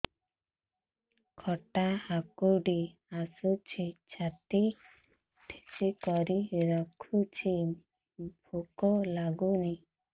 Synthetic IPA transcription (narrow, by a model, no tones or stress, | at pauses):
kʰɔʈahakuɖi | asut͡ʃʰit͡ʃʰat̪i | ʈʰe̥t͡ʃikɔɾiɾɔkʰut͡ʃʰi | bʱukɔlaɡuni